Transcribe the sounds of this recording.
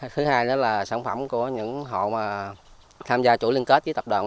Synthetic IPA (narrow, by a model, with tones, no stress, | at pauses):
t̪ʰɨ˨˦haː˧jnɨ̰˧˩˦laː˨˩saː˧˩nfə˧˩mku˧˩əɲɨ̰˧˥ŋɦo̰˧˨maː˨˩ | t̪ʰaː˧mzaː˧t͡ɕu˧˩˦li˧ənke˦˥t̚zi˨˦t̪ə˨˩p̚ɗa̰ː˨˩n